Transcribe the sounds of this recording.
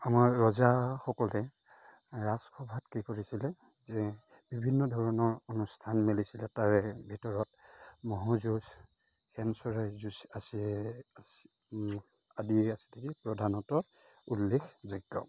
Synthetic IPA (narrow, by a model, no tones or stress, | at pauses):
amaɹɹɔzaxɔkɔlɛ | ɹaskʰɔbʱatkikoɹisilɛ | zɛ | b̥ibʱinːɔdʱɔɹɔnɔɹonustʰanmelisilɛtaɹɛbʱitɔɹɔt̚mɔɦɔzus | xɛnsɔɹɛzusas | adiɛasi̥tʰekipɹɔdʱanɔtɔ | ulːexziɡɔ̰